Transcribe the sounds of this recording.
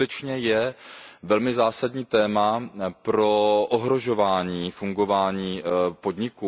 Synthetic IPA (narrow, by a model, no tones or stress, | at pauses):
t̪ɛt͡ʃɲɛjɛvɛlmɪzaːsadɲiːt̪ɛːmapɾo̞ʔoɦɾo̞ʒo̞vaːɲiːfuŋɡo̞vaːɲiːpo̞d̪ɲɪkuː